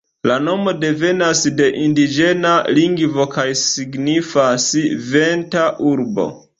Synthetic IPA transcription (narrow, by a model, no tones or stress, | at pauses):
lano̞mo̞de̞ve̞nasde̞ʔindid͡ʒe̞naliŋɡvo̞kajsiɡnifasve̞ntaʔuɾbo̞̰